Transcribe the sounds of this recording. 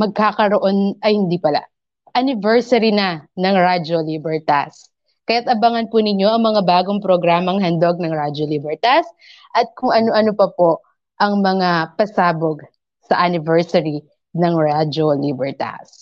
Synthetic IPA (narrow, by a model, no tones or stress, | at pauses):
mɐɡ̚kakɐɾoʔo̞nɐjhɪnd̪iːpɐla̰ | ʔɐnɪvɛɹsɐɾinɐnɐŋɹad͡ʒolibɛɹt̪as | kɐjat̪̚ʔɐbɐŋɐnpunɪɲo̞ʔɐŋmɐŋabaːɡoŋpɾoɡɾaːmɐŋɦɐnd̪oɡ̚nɐŋɹad͡ʒolibɛɹt̪as̚ | ʔɐt̪̚kʊŋʔɐnoʔɐnopɐpoʔ | ʔɐŋmɐŋapɐsaːboɡ | sɐʔɐnɪvɛɹsɐɾi | nɐŋɹad͡ʒolibɛɹt̪a̰s